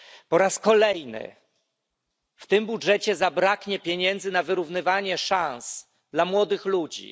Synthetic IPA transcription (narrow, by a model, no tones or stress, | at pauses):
pɔɾaskɔlɛjnɘ̰ | ft̪ɘmbudʐɛt͡ɕɛzabɾakɲɛpʲjeɲɛnd̪zɘnavɘɾuvnɘvaɲɛʂãns | d̪lamwɔd̪ɘxlud͡ʑḭ